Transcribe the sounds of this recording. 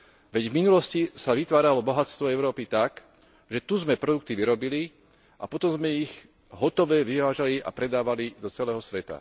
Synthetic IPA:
ʋɛɟvminulɔscisaʋit̪ʋaːɾalɔbɔɦatst̪ʋɔɛʊɾɔːpit̪ak | ʒɛt̪uzmɛpɾɔd̪uk̚t̪iʋiɾɔbili | ʔa̰pɔt̪ɔmzmɛiɣ | ɦɔt̪ɔʋɛʋiʋaːʒaliʔa̰pɾɛd̪aːʋalid̪ɔt͡sɛlɛːɦɔsʋɛt̪a̰

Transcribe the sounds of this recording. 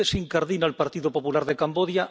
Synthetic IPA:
esiŋkaɾðinalpaɾt̪iðopopulaɾðekamboðja

